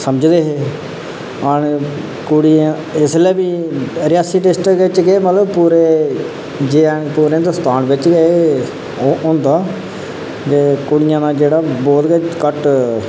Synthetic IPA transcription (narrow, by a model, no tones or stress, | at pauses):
səməd͡ʒd̪eːɦeː | əɳ | kʊɽiã | ɪslɛːbiːɾɪjaːsiːʈɪsʈəɪt͡ʃɡeːmət̪ləbpuːɾeː | d͡ʒẽpuːɾẽːd̪əst̪aːnʋɪt͡ʃɡee | õːnd̪aː | d͡ʒeːkʊɽɪjãːnaːd͡ʒeːɽaːbɔːt̪ɡekəʈ